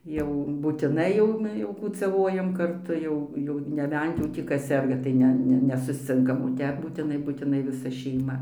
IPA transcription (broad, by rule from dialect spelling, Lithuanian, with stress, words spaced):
ˈjɛʊ buːtʲɪˈnɐɪ jɛʊ jɛʊ kuːt͡sɐˈʋoːjɛm kɐrˈtʊ ˈjɛʊ jɛʊ nʲɛˈbʲɛnt jɛʊ tʲiː ˈkɐs ˈsʲɛrɡɐ ˈtɐɪ nʲɛ ˈnʲɛ nʲɛsʊsʲˈt͡sʲɪŋkɐm oː ˈtʲɛp buːtʲɪˈnɐɪ buːtʲɪˈnɐɪ ʋʲɪˈsɐ ʃʲɛɪˈmɐ